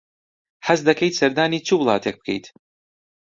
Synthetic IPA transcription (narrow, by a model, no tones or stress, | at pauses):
ħazd̪akejt̪sɐɾd̪aːnʲiːt͡ʃublˠɑ̰ːt̪ʲɛk̚b̚kʲḛjt̪